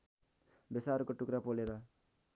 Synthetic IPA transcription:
besaɾukoʈukɾapoleɾʌ

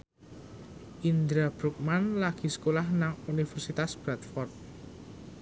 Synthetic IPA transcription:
ʔind̪ɾab̥ɾuk̚manlaɡ̥i̤sə̥kolahnaŋunifɛrsit̪asb̥ɾat̪fɔrt̪̚

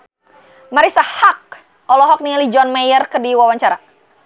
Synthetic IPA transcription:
maɾisahak̚ | ɔlɔɦɔk̚nialid͡ʒɔnmajərkədiwawaɲt͡ʃaɾa

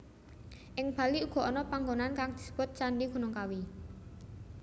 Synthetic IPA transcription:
ʔɪŋb̥a̤liuɡ̥ɔ̤ɔnɔpaŋɡonankaŋd̪̥i̤̥sə̥pʊt̪̚t͡ʃaɳɖiɡ̥ṳnʊŋkawi

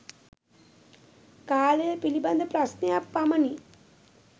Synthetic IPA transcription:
kaːləjəpiliband̪əpɾasnejapːaməni

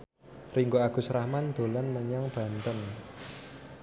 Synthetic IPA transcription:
riŋɡoaɡ̥ṳsɾahmand̪̥o̤lanməɲɔŋb̥ä̤nt̪ən

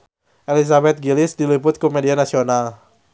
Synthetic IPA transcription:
ʔelis̬abɛt̪̚ɡilɪsdilipʊt̪̚komedianasional

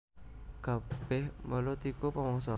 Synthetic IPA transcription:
kab̥ɛhməlot̪ikopamɔŋsɔ

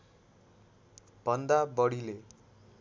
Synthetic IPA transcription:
b̥ʱʌnd̪abʌɽile

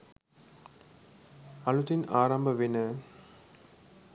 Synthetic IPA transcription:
ɐɭut̪inaːɾɐmbʱɐʋinɐ

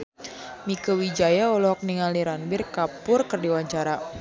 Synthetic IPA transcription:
mikəwid͡ʒajaɔlɔhɔk̚niŋaliɾanbɪrkapʊrkərdiwaɲt͡ʃaɾa

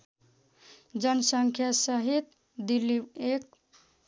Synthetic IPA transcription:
d͡ʒənsəŋkʰjasəɦit̪ | d̪iliʋek̚

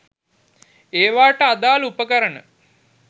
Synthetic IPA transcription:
eːʋaːʈəad̪aːlupəkəɾənə

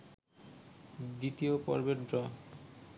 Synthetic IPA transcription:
d̪it̪iopɔ̰ɾbeɾɖɾɔ

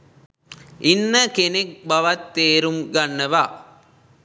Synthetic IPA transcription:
inːəkenek̚bɐʋɐt̪ːeːɾumɡɐnːɐʋaː

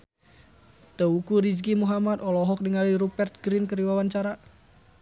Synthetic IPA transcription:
t̪əukuɾisɡimuɦamad̪ɔlɔɦɔk̚nəŋaliɾupɛrt̪̚ɡɾinkəɾiwawant͡ʃaɾa

